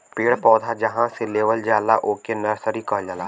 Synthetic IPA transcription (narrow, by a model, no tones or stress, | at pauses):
peːɽpɔːd̪ʱad͡ʒəɦãseleːʋəld͡ʒaːlaʔoːkenɐɾsəɾikəːd͡ʒalaː